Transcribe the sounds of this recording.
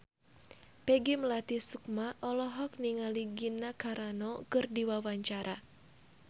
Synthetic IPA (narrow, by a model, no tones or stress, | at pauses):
pɛɡiməlat̪isuk̚maʔɔlɔɦɔk̚niŋaliɡinakaɾanɔkɨrdiwawaɲt͡ʃaɾʔa